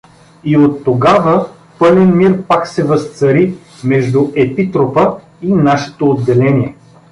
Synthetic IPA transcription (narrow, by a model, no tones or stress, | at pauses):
iot̪ːoɡavə | pɤlɛnmiɾpaksɛvəst̪sɐɾi | mɛʒd̪uʔɛpit̪ɾopə | inaʃɛ̥t̪oːd̪ːɛlɛniɛ